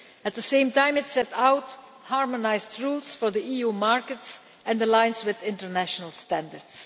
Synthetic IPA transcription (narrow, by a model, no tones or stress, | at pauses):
æt̚ðəsẽɪ̃mtãɪ̃mɪtsɛtawt | hɑɹmɔnaɪzdɹuːlˠsfɔɹd̪iʔiːjumaɹkəts | ɛ̃nd̪əlãɪ̃nswɪðɪ̃ntəɹnæʃənəlˠstæ̃ndəɹds